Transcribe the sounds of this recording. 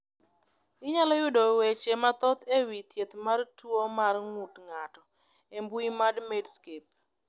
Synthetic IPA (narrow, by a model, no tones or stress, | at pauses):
ɪɲalɔjʊdɔwet͡ʃemat̪ɔt̪ewit̪jet̪martwomarŋutŋatɔ | embʊimadmedskep̚